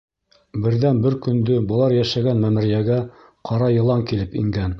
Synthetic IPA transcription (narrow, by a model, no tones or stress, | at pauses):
bɘ̆ɾðænbɘɾkɵ̆nd̪ɵbɤ̆lˠɑɾjæʃæɡænmæmɘ̆ɾijæɡæ | qʰɑɾɑjɤ̆lˠɑŋkilɘpḭŋɡæn